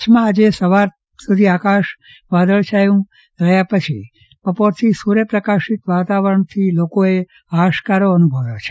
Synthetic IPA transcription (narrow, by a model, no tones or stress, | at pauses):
t͡ʃʰmãːd͡ʒesəʋaɾ | sud̪ʱiakaʃ | ʋad̪əɭt͡ʃʰaeũ | ɾəjapət͡ʃʰi | pəpoɾt̪ʰisuɾepɾəkaʃit̪ʋat̪aʋəɾəɳt̪ʰilokoe | aʃkaɾoənubʱəʋoʋt͡ʃʰe̥